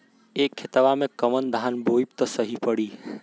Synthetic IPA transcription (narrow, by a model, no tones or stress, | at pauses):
ekʰːet̪ʋamẽkəmənd̪ʱanboib̚t̪əsəɦipəɽiː